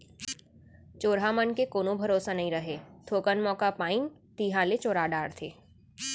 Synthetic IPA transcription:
t͡ʃoːɾɦamənkekoːnõbʱɐɾoːsanɐɦĩɾɐɦeːt̪ʰoːkənmɔːkapaːint̪iːɦãlet͡ʃoːɾaɖaːɽt̪ʰeː

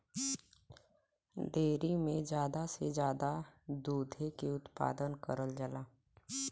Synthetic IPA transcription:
ɖeːɾimẽd͡ʒjaːd̪ased͡ʒjaːd̪ad̪uːd̪ʱekeʊt̪pa̰ːd̪ənkəɾəld͡ʒəlaː

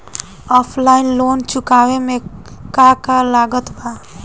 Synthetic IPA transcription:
ɔpʰlainlont͡ʃukaweme | kakalaɡət̪ba

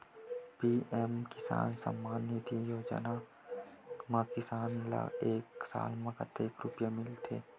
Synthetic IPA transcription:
piːɛmkɪsa̰ːnsə̰mːaːnːit̪ijoːd͡ʒə̰na | maːkɪsaːnla̰eːksa̰ːlmə̃kət̪eːkɾʊpjamɪlt̪ʰḛː

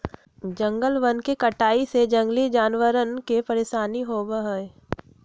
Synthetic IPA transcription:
d͡ʒɐ̃ŋɡəlʋənkekɐʈaːised͡ʒɐ̃ŋɡlid͡ʒaːnʋəɾənkepɐɾeːʃaːniɦoːbəɦə

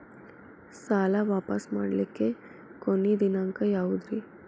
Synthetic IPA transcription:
saːlaʋaːpɐsmaːɽlikːe | konːid̪inaŋkɐjaːʋud̪ɾi

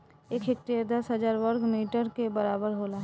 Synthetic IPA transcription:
eːkʰek̚ʈeɾd̪ɐsɦəzaːɾʋəɾkmiːʈəɾkebəɾaːbəɾɦoːlaːɦ

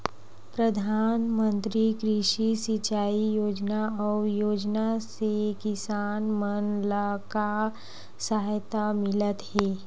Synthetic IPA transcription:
pɾəd̪ʱaːnmə̃nt̪ɾikɾɪʃisɪt͡ʃaːijoːd͡ʒnaɔːɾjoːd͡ʒnasekɪsaːnmənlaka | saɦjt̪amɪlət̪hɛː

